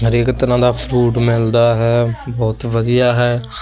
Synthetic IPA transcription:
ɦəɾeːkt̪əɾãːd̪aːpʰɾuːʈmɪld̪aːɦɛːbɔːt̪ʋəd̪ijaːɦɛː

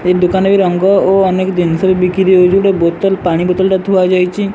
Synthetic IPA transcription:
ek̚d̪ukanabiɾəŋɡɔoːnekd̪insəbibikiɾiod͡ʒuɽebot̪əlpaɽ̃ibɔt̪ɔlʈat̪uad͡ʒajt͡ʃʰi

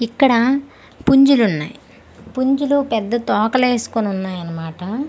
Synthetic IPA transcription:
ikːɐɽɐ | puɲd͡ʒulunːa̰ːji | puɲd͡ʒulupɛd̪ːɐt̪ɔːkɐle̞ːsu̥konunːaːjɐnːɐmaːʈɐ

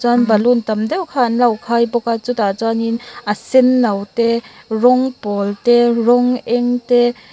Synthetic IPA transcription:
t͡sanbalunt̪ɐmdɛwkʰanlawkʰajbɔkat͡sut̪at͡saninʔasinːɐwtɛɾɔŋpɔltɛɾɔŋʔɛŋtɛ

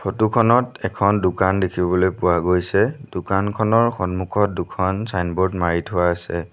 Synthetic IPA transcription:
pʰotukʰɔnɔtɛkʰɔndʊkandekʰibɔlojpʊwaɡojsɛdʊkankʰɔnɔɹxɔnmukʰɔt̚dukʰɔnsajnbɔɹdmaɹitʰʊwaːsɛ

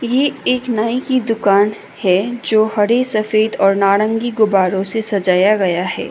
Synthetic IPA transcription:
jeeːknaːikid̪ʊkaːn | hɛd͡ʒoːhɐɽesɐfeːd̪ɔːɾnaːɽə̃ŋɡiɡʊbaːɾõsesɐd͡ʒaːjaɡɐjaɦɛ̰ː

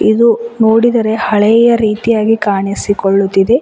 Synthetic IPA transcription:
id̪unoːɽid̪ɐɾe̞hɐɭɛjɐɾiːt̪ijaːɡikaːɳisikoɭːut̪ːid̪e̞

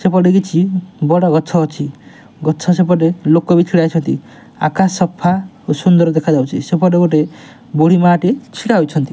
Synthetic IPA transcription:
sepɔɖeɡit͡ʃʰibɔɽɔɡɔt͡ʃʰɔɔt͡ʃʰi | ɡɔt͡ʃʰɔsepɔɖelokːɔbit̪ʰiɽajt͡ʃʰɔnt̪i | a̰kaɔpʰa | sund̪ɔɾd̪ekʰad͡ʒawt͡ʃʰisepɔɖeɡoʈe | boɽ̤imaʈit͡ʃʰikaɦojt͡ʃʰɔnt̪i

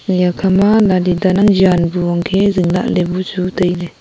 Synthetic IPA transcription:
jakʰamalalidanaŋd͡ʒanbuaŋkʰeziŋla̰ʔlebut͡ʃutəjlɛ

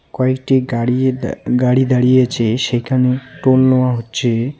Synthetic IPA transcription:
kɔekʈiɡaɽiɡaɽid̪aɽijet͡ɕʰeʃejkʰaneʈolnɔwaɦotːɕʰe

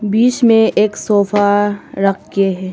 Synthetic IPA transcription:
biːt͡ʃmẽʔeːksoːfaɾɐkʰɡeɦɛː

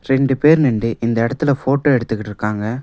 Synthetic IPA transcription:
ɾɛɳɖɯpeːɾnɛɳɖɯʔɪnd̪ɐɪɽɐt̪ːɪlɐfoːʈːoːɛɽɯt̪ːɯkːɪʈːɪɾɯkːaːŋɡɐ

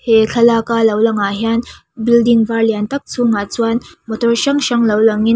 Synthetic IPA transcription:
hekʰəlakaləwləŋaɦjan | bild̪iŋɡʋaɾljant̪ək̚t͡sʰuŋat͡sʋanmət̪əɕəŋɕəŋləwləŋi

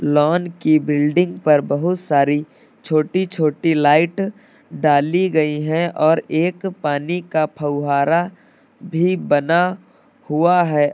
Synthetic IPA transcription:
lɔːnkibɪlɖɪ̃ŋɡpɐɾbɐɦʊt̪saːɾi | t͡ʃʰoːʈit͡ʃʰoːʈilaːɪʈ | ɖaːliɡɐiɦɛ̃ʔɔːɾeːkpaːnikapʰɐʊɦaːɾa | bʱibɐna | huaɦɛː

